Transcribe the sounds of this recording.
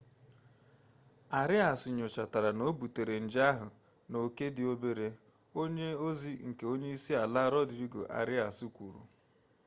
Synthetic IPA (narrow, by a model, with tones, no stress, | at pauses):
a˨ɾɪ˦a˨sɪ˨ɲʊ˨t͡ʃa˨ta˨ɾa˨no˦bu˨te˨ɾe˨n̩˨d͡ʒa˦ɦʊ˨ | no˨ke˦dɪ˨o˦be˦ɾe˦ | o˦ɲe˦o˦zi˦ŋ̩˨ke˨o˦ɲe˦i˦si˦a˨la˦ɾɔ˦di˨ɾi˦ɡo̰˨ʔa̰˨ɾɪ˦a˨su˦kʷu˨ɾṵ˨